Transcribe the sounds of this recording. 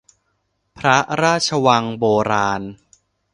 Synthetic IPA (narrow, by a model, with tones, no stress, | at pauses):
pʰɾa˦˥ɾaː˥˩t̪̚t͡ɕʰa˧wa˧ŋboː˧ɾaː˧n